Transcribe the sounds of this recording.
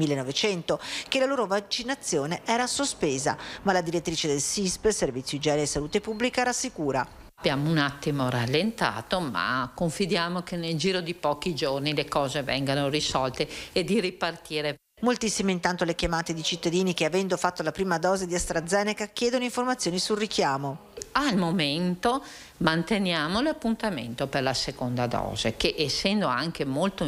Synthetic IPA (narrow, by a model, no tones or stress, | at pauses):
milːenːɔvet͡ʃɛnt̪okelaloːɾovat͡ʃinat̪sːjoːneʔɛːɾasospeːza̰malad̪iɾet̪ːɾiːt͡ʃed̪elsispservit̪sjoid͡ʒɛːneɾesaluːt̪epubːlikaɾasːikuːɾa | bjaːmounat̪ːimoralːent̪a̰ːt̪oma̰koɱfid̪jaːmokenːeld͡ʒiːɾod̪ipɔːkid͡ʒornilekɔːzevɛ̰ŋɡanorisɔlt̪eed̪iripart̪iːɾe | molt̪isːimeint̪ant̪olekjamaːt̪ed̪it͡ʃit̪ːad̪iːnikeavɛnd̪ofat̪ːolapɾiːmad̪ɔːzed̪iast̪ɾad̪zːɛːnekak̟jɛːd̪onoiɱformat̪sːjoːnisulrikjaːmo | almoment̪o | mant̪enjaːmolapːunt̪amḛnt̪operlasekond̪ad̪ɔ̰ːzekeʔesːɛnd̪oaŋkemolt̪o